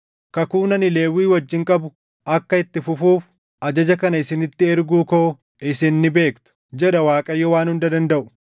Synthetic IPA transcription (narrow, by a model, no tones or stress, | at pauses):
kɐkuːnɐnɪle̞ːwːiːwɐd͡ʒːɪŋkʼɐbʊ | ʔɐkːɐɪt̪ːɪfʊfuːf | ʔɐd͡ʒɐd͡ʒɐkɐnɐɪsɪnɪt̪ːɪɛɾɡuːkoː | ɪsɪnːɪbe̞ːkt̪ʊ̥d͡ʒɛᶑɐwaːkʼɐjːɔwaːnhʊnd̪ɐd̪ɐnd̪ɐʔʊ̥